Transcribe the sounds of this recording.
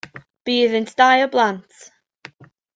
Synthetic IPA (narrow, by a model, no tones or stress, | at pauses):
b̥iːðəntʰd̥ajɔblˠantʰ